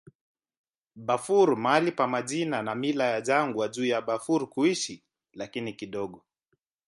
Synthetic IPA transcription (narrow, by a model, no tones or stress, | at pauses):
ɓafuɾmalipamaʄinanamilajaʄaŋɡwaʄuːjaɓafuɾkuiʃi | lakinikiɗɔɠɔ